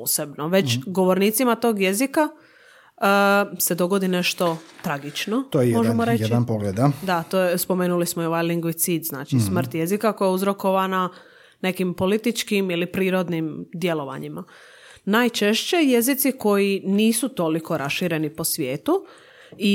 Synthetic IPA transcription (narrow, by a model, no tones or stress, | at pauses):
posebnoʋe̞t͡ʃɡo̞ʋoɾniːt̪simat̪o̞ːɡje̞zika | se̞d̪o̞ɡo̞d̪ine̞ʃt̪o̞t̪ɾaɡit͡ʃnot̪ojjmoʒemoɾejed̪anpoɡled̪ad̪at̪oːjespo̞meːnulismoioʋajliŋɡʋit̪sid̪zna̰ːt͡ʃismr̩t̪je̞zikako̞jauzɾo̞ko̞ʋana | ne̞kimpo̞lit̪it͡ʃkimilipɾiːɾo̞d̪nimd̪je̞lo̞ʋa̰ɲima | naːjt͡ʃe̞ʃt͡ɕe̞je̞zit̪siko̞jiniːsut̪o̞liko̞ɾʔasʃiɾe̞nipo̞sʋjeːt̪u | i